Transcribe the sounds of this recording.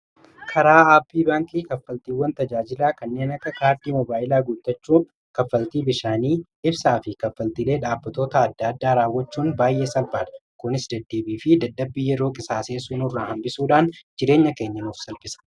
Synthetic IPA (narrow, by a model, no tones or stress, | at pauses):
kʰɐɾaːaːpːiːbaːŋkiːkɐfːɐlt̪iːwːɐnt̪ɐd͡ʒaːd͡ʒɪlaːkɐnːe̞ːnɐkːɐkaːɾd̪iːmɔbaːɪlaːɡut̪ːɐt͡ʃːuː | kɐfːɐlt̪iːbɪʃaːniː | ɪbsaːfɪkɐfːɐlt̪iːle̞ːᶑaːbːɐt̪o̞ːt̪ɐːd̪ːɐd̪ːaːɾaːwːɐt͡ʃːuːnbaːjʔe̞ːsɐlbaːᶑ̪ɐ̥kʊnɪsd̪ɐd̪ːe̞ːbiːfɪd̪ɐd̪ːɐbːiːjɛɾo̞ːkʼɪsaːseːsuːnʊrːaːhɐmbɪsuːᶑaːnd͡ʒɪɾe̞ːɲːɐke̞ːɲːɐnuːfsɐlfɪsɐ̥